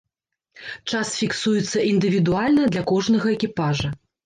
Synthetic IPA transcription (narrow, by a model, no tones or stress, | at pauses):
t͡ʂasfʲiksujɛt̪sːɐʔind̪ɨvʲid̪ualʲnɐd̪lʲɐkɔʐnɐɣɐɛkʲipaʐɐ